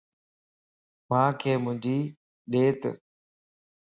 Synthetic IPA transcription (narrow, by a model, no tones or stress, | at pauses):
mãːkʰeːmʊ̃ɲd͡ʑiː | ɗeːt̪